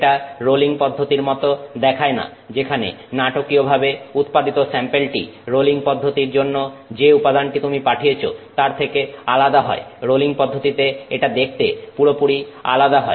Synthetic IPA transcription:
ʈaɾoliŋpɔd̪ʱːot̪iɾmɔt̪od̪ɛkʰaena̰ | d͡ʑekʰanḛ | naʈokiobʱabeut̪̚pad̪it̪osɛmpelʈḭɾoliŋpɔd̪ʱːot̪iɾd͡ʑonːod͡ʑeupad̪anʈit̪umipaʈʰijet͡ɕʰo̰t̪aɾt̪ʰekealad̪aɦɔ̰eɾoliŋpɔd̪ʱːot̪it̪eeʈad̪ek̚ʰt̪epuɾopuɾia̰lad̪aɦɔe

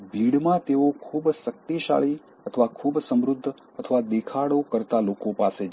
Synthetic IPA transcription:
bʱiɽmãt̪eokʰubsək̚t̪iʃa̰ɭi | ət̪ʰəʋakʰubsəmɾʊd̪ʱː | ət̪ʰəʋad̪ekʰaɽokəɾt̪alokopase

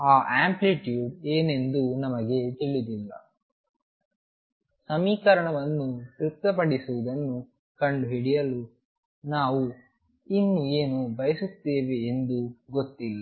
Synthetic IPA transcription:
aːʔaːmpliʈjuːɖeːne̞nd̪unɐmɐɡe̞t̪iɭid̪ilːɐ̰ | sɐmiːkɐɾɐɳɐʋɐnːut̪iɾt̪ːɐpɐɽisuʋud̪ɐnːu | kɐɳɖuɦiɽijɐlu | naːʋu | inːueːnubɐjɐsut̪eːʋeːnd̪uɡot̪ːilːɐ

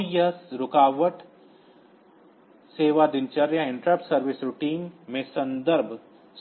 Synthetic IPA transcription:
jɐsɾʊkaːʋəʈ | seːʋad̪ɪnt͡ʃɐɾjaɪ̃ɳʈɾapsɐɾʋɪsɾʊʈiːnmẽsɐ̃nd̪əɾbʱ | s

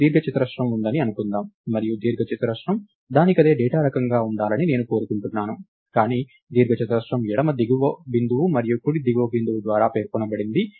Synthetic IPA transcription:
d̪iːɾɡɐt͡ʃit̪ɐɾɐʂɾɐmund̪ɐniɐnukund̪aːmːɐɾijud̪iːɾɡʱɐt͡ʃit̪ɾɐʂʈɐm | d̪aːnikɐd̪eːɖɛːʈaːɾɐkɐŋɡaːuɳɖaːlɐnine̞ːnuko̞ːɾukuɳʈunːaːnu | kaːniː | d̪iːɾɡʱɐt͡ʃit̪ɐɾɐʂɾɐmjɛɽɐmɐd̪iɡuʋɐbind̪uʋumɐɾijukuɽid̪iɡʋɐbind̪uʋud̪ʋaːɾaːpe̞ːɾkɔnɐbɐɽind̪i

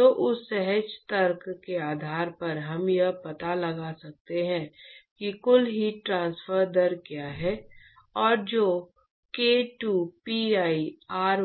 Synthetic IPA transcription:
oːʔʊsːɛɦɛd͡ʒt̪əɾkkeaːd̪ʱaːɾpɐɾɦɐmjɐɦpɐt̪alɐɡasɐk̚t̪eɦɛ̃ːkikʊlɦiʈɾãːnsfəɾd̪əɾkjaɦɛ | ɔːɾd͡ʒoː | keːʈuːpiaːiaːɾ

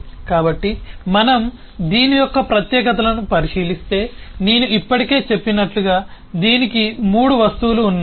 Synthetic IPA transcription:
kaːbɐʈːimɐnɐm | d̪iːnijɔkːɐpɾɐt̪jɛːkɐt̪ɐlɐnupɐɾiʂiːlist̪e̞ːne̞ːnuʔipːɐʈike̞ːt͡ʃe̞pːinɐʈluɡaː | d̪iːnikimuːɽuʋɐst̪uːluːnːa

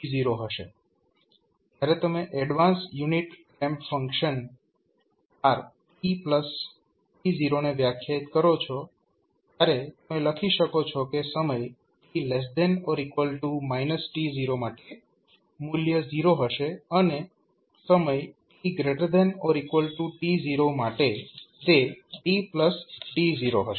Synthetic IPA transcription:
ʈiziɾoɦəʃḛ | d͡ʒ̪jaɾet̪əmeʔɛɽʋansjuniʈkɛ̃mpfə̃ŋkʃən | aɾ | ʈipləs | ʈiziɾoneʋjakʰjait̪kəɾot͡ʃʰɔ | t̪jaɾet̪əmeləkʰiʃəkot͡ʃʰɔkesəməj | ʈilɛs̬d̪enɔɾikʋəlʈumajnəsʈiziɾomaʈe | muljəziɾoɦəʃeəne | səməjʈiɡɾeʈəɾd̪ɛnoɾikʋəlʈũʈiziɾomaʈet̪eʈipləsʈiziɾoɦəʃ

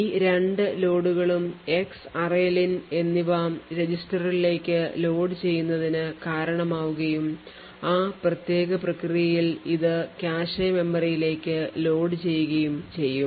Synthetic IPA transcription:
iːɾe̞ɳɖɨlo̞ːɽuɣɐɭume̞ksɐreline̞nːiʋaːmɾe̞d͡ʑisʈɐrile̞ːkʲːɨlo̞ːɖɨt͡ɕe̞jːunːɐðinɨkaːɾɐɳɐmaːʋuɣɐjum | aːprɐt̪je̞ːɣɐprɐkrijɐjiliðɨkʲaːʂɐme̞mːɐrijile̞ːkʲːɨlo̞ːɖɨt͡ɕe̞jːuɣɐjumt͡ɕe̞jːum

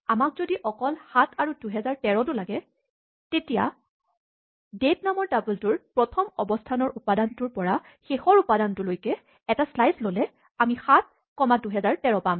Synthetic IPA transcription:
amak̚zodiʔɔkɔlxatʰaɹuduɦɛzaɹtɛɹɔtʊlaɡɛ | tetija̰ | detnamɔɹdabultʊɹpɹɔtʰɔmɔbɔstʰanɔɹupadantʊɹpɔɹa | xexɔɹupadantʊlojkɛ | ɛtaslajslolɛ | amixat̚ | kɔmaduɦɛzaɹtɛɹɔpam

